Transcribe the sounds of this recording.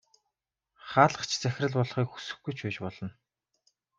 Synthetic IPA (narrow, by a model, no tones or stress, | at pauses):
χaːɮə̥̆χt͡ɕʰt͡sæx̆ʲrɘ̆ɮpɔɮχiːkxu̥sɘ̆xɡujt͡ɕʰʊːt͡ɕpɔɮɞ̆n